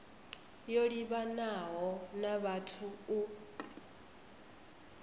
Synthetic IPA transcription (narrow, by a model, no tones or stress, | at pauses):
joɺiβanaɦɔnaβatʰuu